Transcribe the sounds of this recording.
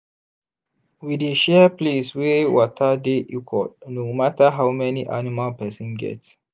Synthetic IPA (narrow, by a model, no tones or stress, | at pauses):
wideʃɛpleswewɔtʰədeʔikʰɔ̰nomatəɦawmɛniʔa̰nimalpɛsɔ̃nɡɛ̰ts